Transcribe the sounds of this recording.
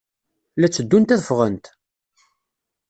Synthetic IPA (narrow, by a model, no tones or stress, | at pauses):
læt͡sːəd̪ːunt̪æðəfʁənt̪